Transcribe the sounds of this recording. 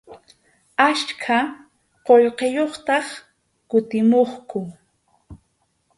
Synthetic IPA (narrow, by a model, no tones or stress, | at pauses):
aʃkʰa | qoʎqejoχt̪ɑχ | kʊt̪ɪmoχkʊ